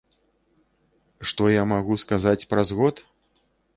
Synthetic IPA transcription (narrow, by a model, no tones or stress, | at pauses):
ʂt̪ɔjamaɣuskazat͡sʲpɾazɣɔt̪